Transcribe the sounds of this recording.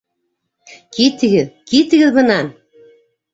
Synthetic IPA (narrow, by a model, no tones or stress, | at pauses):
kit̪ɣɘ̆ðkit̪ɣɘ̆ðɣɤ̆nɑn